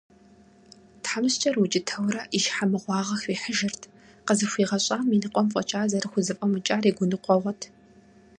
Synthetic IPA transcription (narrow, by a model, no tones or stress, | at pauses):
tħamɨst͡ʃʼɐrwut͡ʃʼɪtʰɐwɾɐʔiʃħamɨʁʷɑːʁɐxiːħəʒɪrtʰ | qəzɨxʷiːʁɐɕʼaːminɨqʷʼɔmfʷʼɔ̰t͡ʃʼaːzɐɾɨxʷʊzɨpʼɐmɨt͡ʃʼaːɾiːɡʷʊnɨqʷɔʁʷɔtʰ